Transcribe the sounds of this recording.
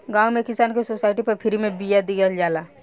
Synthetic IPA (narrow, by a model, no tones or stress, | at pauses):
ɡãːwmekɪsaːnkesosaːɪʈipɐɾpʰɪɾimẽbijad̪ijəld͡ʒaːla